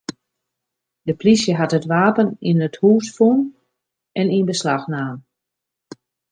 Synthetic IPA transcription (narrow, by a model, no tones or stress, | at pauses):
dəplisjəɦatətʋaːpəninəthuːsfun | ʔɛninbəslaxnaːm